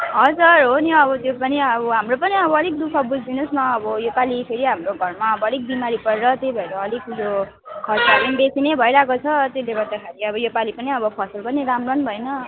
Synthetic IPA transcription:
ɦʌd͡zʌrɦoniʌβʌt̪jopʌniʌbʌɦamropʌniʌbʌʌlik̚d̪ukʰʌbud͡zʱd̪inosnʌːbʌjopalipʰeɾiɦamroɡʱʌrmaʌbʌʌlik̚bimaɾipʌɾeɾʌt̪ejbʱʌeɾʌːlikjo | kʰʌrt͡sʰaɾinbesinebʱʌeɾakot͡sʰʌt̪elebʌɾd̪akʰaɾiʌbʌjopalipʌniʌbʌpʰʌsʌlpʌniɾamrʌnbʱʌenʌ

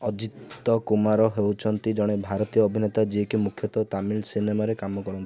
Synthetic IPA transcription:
ɔd͡ʒit̪ːɔkumaɾɔɦewt͡ʃʰɔnt̪id͡ʒɔɽ̃ebʱaɾɔt̪ijɔːbʱinet̪ad͡ʒiɦekimukʰjɔt̪ɔt̪amilsinemaɾekamɔkɔɾunt̪

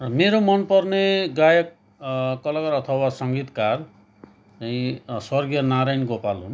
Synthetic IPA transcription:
rʌmeɾomʌnpʌɾneɡajʌk̚ | kʌlʌkʌɾʌt̪ʰʌwasʌŋɡit̪kar | eĩswʌrɡijʌnaɾajnɡopalɦṵn

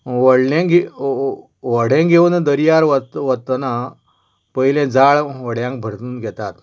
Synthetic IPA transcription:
ʋəɽlẽɡe | ʋəɽ̤ẽɡʱeʋənəd̪əɾijaɾʋət̪ʋət̪ːəna | pəjilɛ̃d͡zaɭʋəɽjãŋk̚bʱəɾt̪uːnɡʱɛt̪at̪

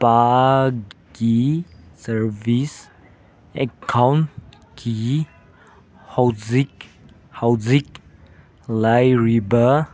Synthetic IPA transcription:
pa | ɡisəvis | ɛkʰãwn | kʰi | hawzik̚ | hawzik̚ | lajɹibə

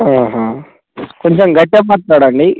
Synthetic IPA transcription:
aːɦaː | koɲt͡ʃemɡɐʈːɐpɐɾt̪ːaːɽɐɳɖi

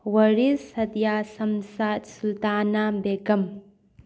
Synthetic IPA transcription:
wɐɾisɐdijasɐmsasult̪anabeɡɐm

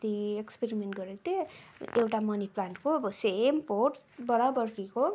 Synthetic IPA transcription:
t̪iekspeɾimeɳʈ̚ɡʌɾet̪eewʈamʌniplanʈkoʌbʌsemporʈbʌɾabʌrkiko

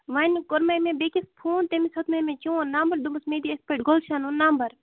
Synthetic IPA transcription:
ʋaːnikoɾmɐmẽbekispʰuːnt̪emisɐt̪mɐmẽt͡ʃũːnambɐɾd̪umɐsmeːd̪iespeʈɡolʃaːnũnːambɐɾ

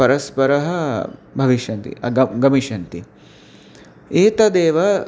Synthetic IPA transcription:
ɐɾɐspɐɾɐɦɐbʱɐʋiʃɐnt̪ḭɐɡɐɡɐmiʃɐnt̪i | eːt̪ɐd̪eːʋɐ

